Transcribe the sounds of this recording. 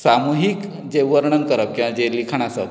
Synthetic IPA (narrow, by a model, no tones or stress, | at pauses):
samuɦik | d͡ʑeʋəɾɳənkəɾəp̚kĩw̃ãd͡ʑelikʰaɳasə̰